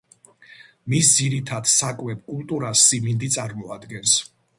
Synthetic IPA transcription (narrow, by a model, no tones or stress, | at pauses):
misd̪ziɾit̪ʰad̪sakʼwɛp̚ʰkʼulˠt̪ʼuɾasːimind̪it̪sʼaɾmɔad̪ɡɛns